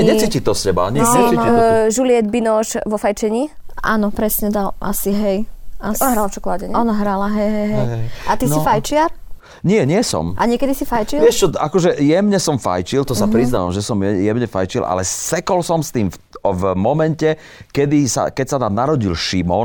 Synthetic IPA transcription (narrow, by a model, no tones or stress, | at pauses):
ɛɲɛt͡siːcit̪ɔscɛba̰ɲɪɛsinʒulɪɛd̪binɔʃʋɔfajt͡ʃɛɲiː | ʔaːnɔpɾɛsɲɛd̪alʔa̰siɦɛjasɦɾalft͡ʃɔkɔlaɟɛɲɔnaɦɾalaɦɛjɦɛjɦɛjʔat̪isifajt͡ʃɪaɾ | ɲɪɛɲɪɛsɔ̰mʔa̰ɲɪɛkɛd̪isifajt͡ʃilʋɪɛʃt͡ʃɔakɔʒɛjɛmɲɛsɔmfa̰jt͡ʃilt̪ɔsapɾiznaʋa̰mʒɛsɔmɛjɛmɲɛfa̰jt͡ʃilʔa̰lɛsɛkɔlsɔmst̪iːmfvmɔmɛncɛ | kɛd̪isa̰kɛcsananaɾɔɟilʃimɔn